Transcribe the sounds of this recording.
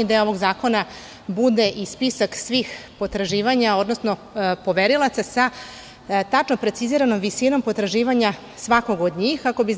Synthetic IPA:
id̪eo̞ʋo̞ɡzaːko̞na | bud̪e̞ʔispisaksʋixpo̞t̪ɾaʒiːʋaɲao̞d̪no̞sno̞ | po̞ʋeɾilˠat̪sasa | t̪at͡ʃno̞pɾe̞t̪siziːɾano̞mʋisino̞mpo̞t̪ɾaʒiːʋaɲa | sʋako̞ɡo̞d̪ɲiːxkako̞biz

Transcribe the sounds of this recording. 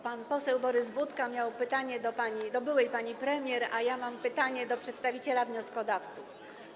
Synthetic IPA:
panpɔsɛwbɔɾɘzbut̪kamʲjawpɘt̪aɲɛd̪ɔpaɲid̪ɔbɘwɛjpaɲipɾɛmʲjɛɾajamampɘt̪aɲɛd̪ɔpʂɛt̪st̪avʲit͡ɕɛlavɲɔskɔd̪aft̪suf

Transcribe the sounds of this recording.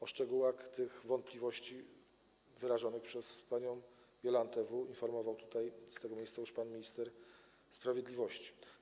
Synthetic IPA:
ɔʂt͡ʂɛɡuwaxt̪ɘɣvɔnt̪̚pʲlʲivɔɕt͡ɕi | vɘɾaʐɔnɘxpʂɛspaɲɔw̃ | ɡʲjɔlant̪ɛvuinfɔɾmɔvawt̪u̥t̪ajst̪ɛɡɔmʲejssajuʂpanmʲiɲist̪ɛɾ | spɾavʲjɛd̪lʲivɔɕt͡ɕi̥

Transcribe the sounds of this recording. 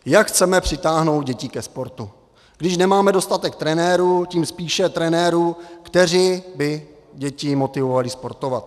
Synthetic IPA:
jakxt͡sɛmɛpr̥ɪt̪aːɦno̞wd̪̚ɟɛcɪkɛspo̞ɾt̪u | ɡ̥dɪʃnɛmaːmɛdost̪at̪ɛk̚t̪ɾɛnɛːɾuːciːmspiːʃɛt̪ɾɛnɛːɾuːkt̪ɛr̝iːbɪ | ɟɛcɪmo̞t̪ɪvo̞valɪspo̞ɾt̪o̞vat̪

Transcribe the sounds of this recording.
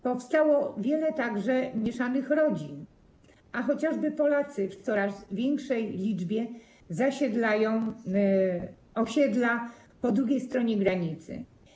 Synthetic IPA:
pɔfst̪awɔvʲjɛlɛt̪aɡʐɛmʲjɛʂanɘxɾɔd͡ʑin | axɔt͡ɕaʐbɘpɔlat̪sɘft̪sɔɾazvʲjɛŋkʂɛjlʲid͡ʐbʲjɛ | zaɕɛd̪lajɔ̃w̃ | ɔɕɛd̪la | pɔd̪ɾuɡʲejst̪ɾɔɲɛɡɾaɲit̪sɘ̰

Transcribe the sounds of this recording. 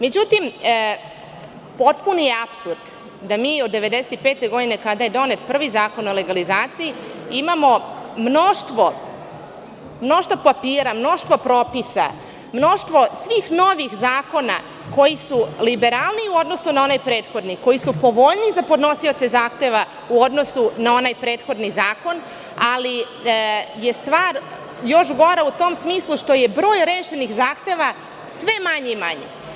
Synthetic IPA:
me̞d͡ʑut̪im | po̞t̪punojeapsuɾd̪ | d̪amiːo̞d̪ːe̞ʋe̞d̪eset̪ipeːt̪eɡo̞d̪inekad̪aje̞d̪o̞net̪pr̩ʋizaːko̞no̞le̞ɡalizaːt̪sijiimamo̞mno̞ʃt̪ʋo̞ | mno̞ʃt̪ʋopapiːɾamno̞ʃt̪vʋo̞pɾo̞ːpisa̰ | mno̞ʃt̪ʋo̞sʋiːxno̞ʋixzaːko̞na̰ | ko̞jisulibe̞ɾalˠniuo̞d̪no̞sunao̞najpɾe̞ːt̪xo̞d̪niko̞jisupo̞ʋo̞ʎnizapo̞d̪no̞sio̞t̪se̞zaːxt̪e̞ʋa | uo̞d̪no̞sunao̞najpɾe̞ːt̪xo̞d̪nizaːko̞n | ali | je̞st̪ʋaːɾ | jo̞ʃɡo̞ɾaut̪omsmiːslˠuʃt̪o̞je̞bɾo̞ːjɾeːʃe̞nixzaːxt̪e̞ʋa | sʋe̞maɲeimaɲḛ

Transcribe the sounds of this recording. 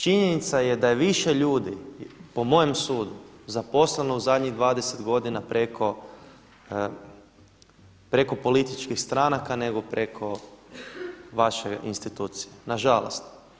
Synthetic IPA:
t͡ʃiɲenit̪sajed̪ajeʋiʃeʎuːd̪ipo̞mo̞jemsuːd̪uzapo̞slenouzad̪ɲiɣd̪ʋaːd̪ese̞t̪ɡo̞d̪inapɾekʰo | pɾe̞ko̞po̞lit̪it͡ʃkixst̪ɾanakane̞ɡo̞pɾekʰo̞ | ʋaʃeḭnst̪it̪uːt̪sijenaʒalo̰st̪

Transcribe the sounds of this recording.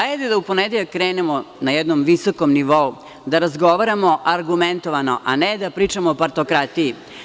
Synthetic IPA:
aed̪ed̪aupo̞ned̪eʎakːɾeːnemonajɛd̪nomʋisoko̞mniʋo̞u | d̪aɾazɡo̞ʋaɾamo̞ʔaɾɡument̪oʋano̞ʔaned̪apɾiːt͡ʂamoopaɾt̪okɾat̪iji

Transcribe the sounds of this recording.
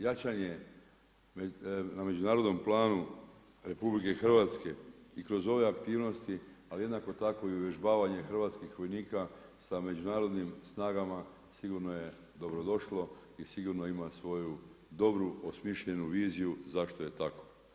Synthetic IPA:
jat͡ʃaɲe̞ | name̞d͡ʑunaːɾo̞d̪no̞mplˠaːnu | ɾe̞publike̞xr̩ʋat̪ske̞ikɾo̞zo̞ʋe̞akt̪iːʋno̞st̪i | alije̞d̪nako̞t̪ako̞iuʋje̞ʒbaːʋaɲe̞xr̩ʋaːt̪skixʋo̞jniːkasame̞d͡ʒunaːɾo̞d̪nimsnaːɡama | siɡuɾno̞je̞ | d̪o̞bɾo̞d̪o̞ʃlˠo̞isiɡuɾno̞imasʋo̞jud̪o̞bɾuosmiʃʎenuʋiːzijuzaʃt̪o̞je̞t̪ako̥

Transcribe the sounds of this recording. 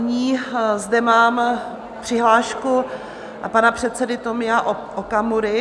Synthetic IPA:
ɲiːzdɛmaːm | pr̝̥ɪɦlaːʃku | panapr̝̥ɛt̪sɛdɪt̪omɪaʔ | ʔokamuɾɪ

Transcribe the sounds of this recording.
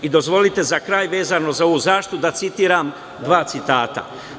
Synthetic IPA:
id̪o̞zʋo̞lit̪e̞zakɾaːjʋe̞ːzano̞zao̞ʋuzaːʃi̥t̪ud̪at̪sit̪iːɾaːm | d̪ʋaːt̪sit̪aːt̪a̰

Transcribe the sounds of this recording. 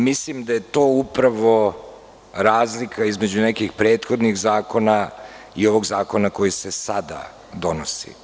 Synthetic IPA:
mislimd̪aje̞t̪o̞ːupɾaʋo̞ | ɾaːzlikʰaizme̞d͡ʑunekixpɾe̞ːt̪xo̞d̪niɣzaːko̞na | io̞ʋo̞ɡzaːko̞nako̞jise̞sad̪a̰ | d̪o̞nosḭ

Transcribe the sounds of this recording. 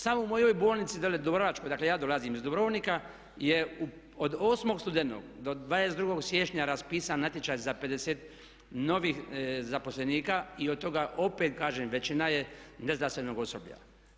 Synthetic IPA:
samoumo̞jo̞jboːlˠnit̪sid̪aled̪obɾoʋat͡ʃkojd̪aklejaːd̪o̞lazimizd̪obɾoːʋnika | jeu | od̪oːsmo̞ɡst̪ud̪enno̰ɡd̪o̞d̪ʋaːd̪esed̪ɾuɡo̞ɡsjeʃɲaɾaspiːsanːat̪jet͡ʃajzape̞d̪eseːt̪ | no̞ʋiːxzapo̞sleniːkaiod̪̚t̪ːo̞ɡaʔo̞pet̪kaːʒeːmʋe̞t͡ʃinajeneznasenoɡo̞sobʎa̰

